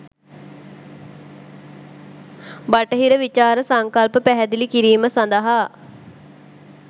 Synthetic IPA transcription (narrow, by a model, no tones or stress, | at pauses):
baʈəɦiɾəʋit͡ʃaːɾəsaŋkalpəpæɦɛd̪ilikiɾiːməsand̪əɦa